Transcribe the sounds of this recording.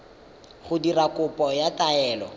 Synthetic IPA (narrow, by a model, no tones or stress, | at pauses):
χʊdirakʊpʼɔjatʼaɛːlɔ̰